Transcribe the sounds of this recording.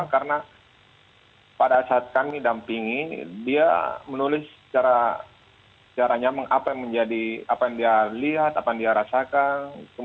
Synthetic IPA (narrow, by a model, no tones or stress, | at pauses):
kaɾəna | padasat̪̚kamidampiŋidia̰mənulɪsə̥t͡ʃaɾa | sət͡ʃaɾaɲamaŋʔapajaŋməɲd͡ʒadiapajaŋdialiɦat̪apajaŋdiaɾasakantu